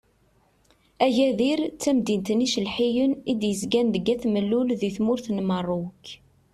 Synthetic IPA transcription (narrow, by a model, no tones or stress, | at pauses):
æʝæðiɾt͡sːæmd̪int̪niʃəlħijənid̪jəzɡænðəɡæθməlːulðiθmʊɾθnmərˤːʊk